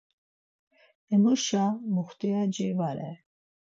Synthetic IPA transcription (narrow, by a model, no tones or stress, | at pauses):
ɛmuʃamuχt̪ijad͡ʒivaɾɛ̰